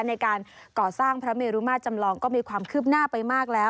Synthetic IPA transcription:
na˧jkaː˧nkɔː˨˩saː˥˩ŋpʰɾa˦˥meː˧ɾu˦˥maː˥˩t̪̚t͡ɕa˧mlɔː˧ŋkɔː˥˩miː˧kʰwaː˧mkʰɯː˥˩p̚naː˥˩pa˧jmaː˥˩k̚lɛː˦˥w

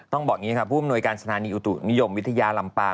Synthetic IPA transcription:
t̪ɔ˥˩ŋbɔː˨˩k̚niː˦˥kʰpʰuː˥˩a˨˩mnu˧əjkaː˧nsa˧t̪ʰaː˩˦niː˧ʔu˨˩t̪ṵ˨˩ni˦˥jo˧mwi˦˥t̪ʰːa˧jaː˧la˧mpaː˧

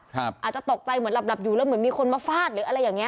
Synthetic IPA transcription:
kʰa˦˧paː˨˩t͡ɕa˨˩t̪o˨˩k̚t͡ɕa˧jmɯ˩˦ənla˧˩p̚la˨˩p̚juː˨˩ɛː˧˥˩mɯ˩˦ənmiː˧kʰo˧nmaː˧faː˥˩t̪̚lɯː˩˦ʔɾa˧jːaː˨˩ŋːi˦˥˧

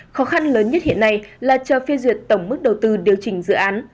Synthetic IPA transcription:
xɔ˨˦xa˧nləː˨˦nɲə˦˥t̚hḭ˧˨ənːa˧jlaː˨˩t͡ɕəː˨˩fe˧zwi˨˩ət̚t̪ə˧˩wŋ͡mmɨ˦˥k̚ɗə˨˩wt̪ɨ˧ɗi˨˩əwt͡ɕï˧˩ŋ̟zɨ̰˧˨ʔaː˨˦n

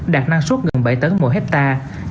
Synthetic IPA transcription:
ɗaː˨˩k̚na˧ŋsu˦˥t̚ɣə˨˩nɓə̰˧˩˨jt̪əː˨˦jmo̰˧˩ɦɛ˦˥t̚t̪aː˧

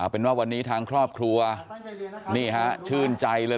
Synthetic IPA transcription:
a˨˩pe˧nwaː˥˩wa˧nːiː˦˥t̪ʰaː˧ŋkʰɾɔː˥˩p̚kʰɾu˧ɐ | niː˥˩ɦa˦˥ʔt͡ɕʰɯː˥˩nt͡ɕa˧jlɤː˧

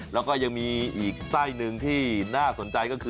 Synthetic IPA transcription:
lɛ˦˥wkɔː˥˩ja˧ŋmiː˧ʔiː˨˩k̚saː˥˩jnɯ˧ŋt̪ʰiː˥˩naː˥˩so˩˦nt͡ɕa˧jkɔː˥˩kʰɯː˧

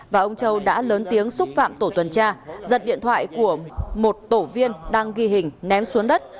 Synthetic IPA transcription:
vaː˨˩ʔə˧wŋ͡mt͡ɕə˧wɗa̰ː˧˥ləː˨˦nt̪i˨˦əŋsʊ˦˥k͡p̚fa̰ː˧˨mt̪o˧˩t̪ʰwə˨˩nt͡ɕaː˧zə˨˩t̚ɗḭ˧ənt̪ʰwa̰ː˧˨jku˧˩əmo˨˩t̚t̪o˧˩vi˧ənɗaː˧ŋɣi˧ɦï˨˩ŋ̟nɛ˨˦msu˨˦əŋɗə˦˥t̚

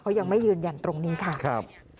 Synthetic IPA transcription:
kʰa˦˥ja˧ŋma˥˩jɯː˧nja˧nt̪ɾo˧ŋniː˦˥kʰa˥˩kʰa˦˥˩p̚

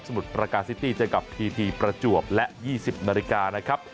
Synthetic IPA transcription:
sa˧mu˨˩t̪̚pɾa˧kaː˧t̪̚si˦˥t̪iː˥˩t͡ɕa˧˩wka˨˩p̚t̪ʰiː˧t̪ʰiː˧pɾa˧t͡ɕu˨˩əp̚lɛ˦˥ʔjiː˥˩si˨˩p̚naː˧li˦kaː˧na˦˥kʰa˦˥p̚

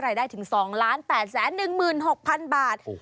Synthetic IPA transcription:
ɾaː˧jdaː˥˩jt̪ʰɯ˩˦ŋsɔː˩˦ŋlaː˦˥npɛː˨˩t̪̚sɛː˩˦nːɯ˨˩ŋmɯː˨˩nho˨˩k̚pʰa˧nbaː˨˩t̪̚

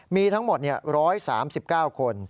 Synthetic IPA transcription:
miː˧t̪ʰa˦˥ŋmo˨˩t̪̚ni˥˩ɐɾɔː˦˥jsa̰ː˩˦msi˨˩p̚kaː˥˩wkʰo˧n

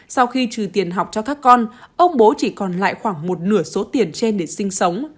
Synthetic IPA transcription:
sa˧wxi˧t͡ɕɨ˨˩t̪i˨˩ənɦa˨˩wk͡p̚t͡ɕɔ˧kaː˦˥kːɔ˧nʔə˧wŋ͡mɓo˨˦t͡ɕi˧˩kɔ˨˩nla̰ː˧˨jxwaː˧˩ŋmo˨˩t̚nɨ˧˩əso˨˦t̪i˨˩ənt͡ɕe˧nɗe˧˩sï˧ŋ̟sə˨˦wŋ͡m

